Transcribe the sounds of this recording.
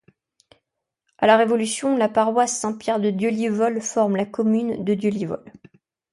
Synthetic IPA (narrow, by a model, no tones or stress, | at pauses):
alaʁevɔlysjɔ̃lapaʁwasːɛ̃pjɛʁd̪əd̪jølivɔlfɔʁmlakɔmynd̪əd̪jølivɔ̰l